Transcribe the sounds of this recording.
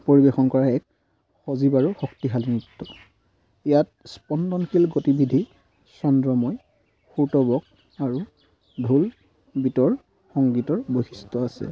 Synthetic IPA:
poɹibexɔnkɔɹaɛk | xozibaɹuxɔktiɦalinitːɔ | ijat̚ | spɔndɔnkʰilɡotibidʱi | sɔndɹɔmɔj | xuɹtɔbɔk̚ | aɹu | dʱul | bitɔɹ | xɔŋɡitɔɹbojxistɔasɛ̰

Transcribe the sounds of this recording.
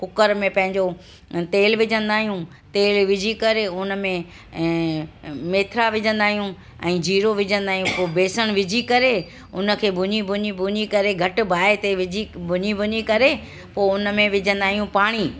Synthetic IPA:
kʊkəɾmẽpɐ̃ɦɪ̃ɲd͡ʑo | t̪eːlʋɪd͡ʑʱə̃nd̪aːɦijũ | t̪eːlʋɪd͡ʑʱikɐɾeʊnə̆mẽ | meːt̪ʰɾaʋɪd͡ʑʱə̃nd̪aːɦijũ | ɛ̰̃ːd͡ʑʱiːɾoʋɪd͡ʑʱə̃nd̪aːɦijũpoːbeːsəɽ̃ʋɪd͡ʑʱikɐɾe | ʊnə̆kʰeːbʱʊɲibʱʊɲibʱʊɲikɐɾeɡʱɐʈ̆bʱaːet̪eʋɪd͡ʑibʱʊɲibʱʊɲikɐɾe | poːʊnə̆mẽʋɪd͡ʑə̃nd̪aːɦijũpaːɽ̃iː

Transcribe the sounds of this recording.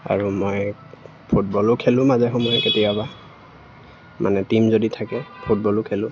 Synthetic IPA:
a̰ɹumoj | pʰutbɔlʊkʰelʊ̃mazɛxɔmɔjɛketiaba | mʔa̰nɛtimzoditʰakɛpʰut̚bɔlʊkʰelʊ̃

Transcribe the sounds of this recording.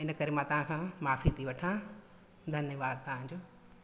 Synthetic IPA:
ɪnəkɐɾemãt̪ɐʋ̤ãkʰãmaːfit̪ʰiʋɐʈʰã | d̪ʱɐnjəʋaːd̪̚t̪ɐʋ̤ãd͡ʑoː

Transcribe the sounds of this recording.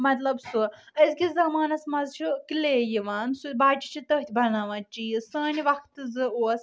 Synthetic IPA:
mɐt̪lɐbsuɐzkʲizɐmaːnɐsmɐzt͡ʃʰikileːjiʋaːnsubaːt͡ʃi̥t͡ʃʰit̪ɐɦt̪ʰʲibɐnaːʋɐt͡ʃijisəːnʲiʋɐkʰt̪ɨzɨoːs

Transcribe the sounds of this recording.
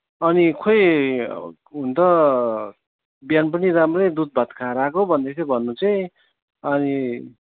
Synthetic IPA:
ʌnikʰoj | ɦunt̪ʌ | bjanpʌniɾamrʌjd̪ud̪̚bʱʌt̪kʰãɾakobʱʌnd̪esʌbʱʌnːut͡sʌj̃ | ʌni

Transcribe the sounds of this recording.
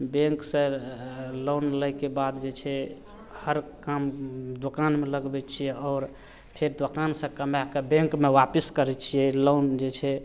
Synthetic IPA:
bẽŋksə̃ | lonləjkebad̪d͡ʒet͡ʃʰɛ | həɾkamd̪okanmeləɡbɛt͡ʃʰijɛɔːɾ | pʰeɾd̪okansə̃kəmakəbẽŋkmewapiskəɾɛt͡ʃʰijɛlond͡ʒet͡ʃʰɛ

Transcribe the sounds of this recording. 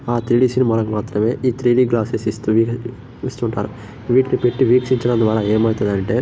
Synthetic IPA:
aːt̪ɾiːɖiːsinimɐnɐkmaːt̪ɾɐme̞ːʔiːt̪ʰɾiːɖiːɡlaːsesist̪uʋi | ist̪uɳʈa̰ːɾu | ʋiːʈnipeʈːiʋiːksiɲt͡ʃɐɽɐnd̪ʋaːɾɐeːmɐjt̪ɐd̪ɐɳʈe̞ː

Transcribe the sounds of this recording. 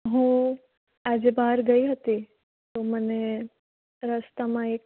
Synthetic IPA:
ɦũ | ad͡ʒebaɦəɾɡəiɦət̪i | t̪oməne | ɾəst̪amãek

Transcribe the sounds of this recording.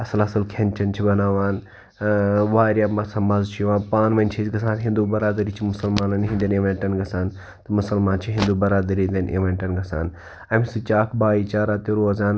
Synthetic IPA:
ɐsɐlɐsɐlkʰɐnt͡ʃʰɐnt͡ʃʰibɐnaːʋaːn | ʋaːɾʲjaːmɐsɐmɐzt͡ʃʰijʋaːnpaːnmɐnʲt͡ʃʰizɡɐsaːnɦĩnd̪uːbɐɾaːd̪ɐɾiːt͡ʃʰimʊsɐlmaːnɐnɦĩnd̪ʲɐneʋɐ̃ɳʈɐnɡɐsaːn | t̪ɐmʊsɐlmaːnt͡ʃʰiɦĩnd̪uːbɐɾaːd̪ɐɾind̪ʲɐnʔeʋɐ̃ɳʈɐnɡɐsa̰ːn | ɐmisɨt͡ʃaːkʰbaːiːt͡ʃaːɾaːt̪eɾoːzaːn

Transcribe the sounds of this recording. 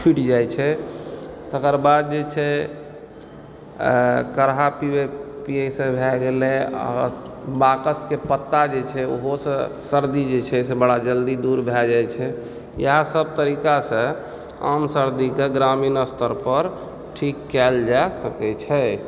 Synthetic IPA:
t͡ʃʰiʈd͡ʒajt͡ʃʰɛ | t̪əkəɾbad̪̚d͡ʒet͡ʃʰɛ | kəɾɦapibepiesẽbʱɛɡelɛa̰ | bakəskepət̪ːad͡ʒet͡ʃʰɛo̰ɦosə̃ | səɾd̪id͡ʒet͡ʃʰɛsẽbəɽad͡ʒəld̪id̪uɾbʱɛd͡ʒajt͡ʃʰɛ | jə̰ɦasəb̚t̪əɾikasə̃ | a̰msəɾd̪ikeɡɾaminəst̪ʰəɾpəɾ | ʈʰikːɛld͡ʒasəkɛt͡ʃʰɛ

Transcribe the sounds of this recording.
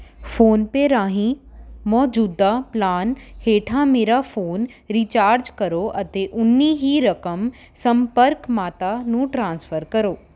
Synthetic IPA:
foːnpeɾaːɦĩmɔːd͡ʑuːd̪aplaːnheːʈʰãmeːɾafoːn | ɾiːt͡ɕaːɾd͡ʑkɐɾoʔɐt̪eʔʊnːiɦiɾɐkəm | sɐ̃mpəɾkmaːt̪anũʈɾãːnsfəɾkɐɾoː

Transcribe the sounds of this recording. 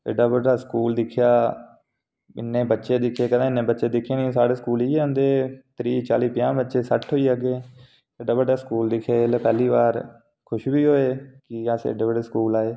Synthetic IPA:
ḛɖaːbəɖaːskuːld̪ɪkʰːjaː | ɪ̰nːẽːbətːʃeːd̪ɪkʰeːkəd̪ãːɪnːẽːbətːʃeːd̪ɪkʰːeːnĩːsaːɽeːskuːliːãːnd̪eːt̪ɾiːt͡ʃa̰ːliːpɪjãːbətːʃeːsəʈʰɦoːiːəɡeː | eɖaːbəɖaːskuːld̪ɪkʰːjeːlepɛːliːʋaːɾ | kʰʊʃbiːɦoːeːkɪasḛɖeːbəɖeːskuːlaːeː

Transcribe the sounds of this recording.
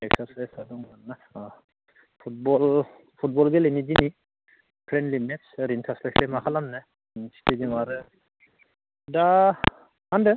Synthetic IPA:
ɛksaɾsesadɔŋanːa | pʰut̚bɔl | pʰut̚bɔlɡelenid͡ʒini | pʰɾɛndlimɛtsɾintʰaslɛkʰlemakʰalamnɛ | nsʰi̥tʰed͡ʒimaɾɯ | da | handɯ

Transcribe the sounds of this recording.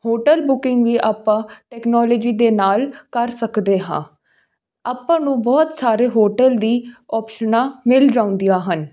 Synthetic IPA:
hoːʈəlbʊkɪŋɡʋiːʔaːpːãːʈɛːknɔːlɔːd͡ʒiːd̪eːnaːlkəɾsəkd̪eːɦãː | aːpːãːnũːbɔːt̪saːɾeːɦoːʈəld̪iːɔːpʃənãːmɪld͡ʒãːʊ̃nd̪ijaːɦən

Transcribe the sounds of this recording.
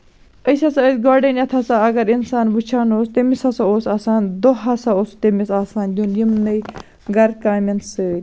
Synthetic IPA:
əsʲɐsɐəd̪ʲɡoɖɐnjɐt̪ʰɐsaɐɡɐɾinsaːnbut͡ʃʰaːnoːst̪emisɐsaosaːsaːnd̪oɦɐsaost̪emisaːsaːnd̪ʲunjimnɨj | ɡɐɾkaːmʲɐnsɨːlʲ

